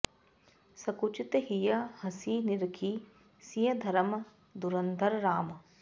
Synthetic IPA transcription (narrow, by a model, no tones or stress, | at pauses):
sɐkut͡ʃit̪ɦijɐhɐsiːniɾkʰiː | sijɐd̪ʱɐɾɐm | d̪uɾɐnd̪ʱɐɾɾaːmɐ